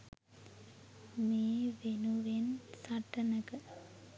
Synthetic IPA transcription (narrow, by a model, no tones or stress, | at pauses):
meːʋenuʋensaʈːɐnɐkɐ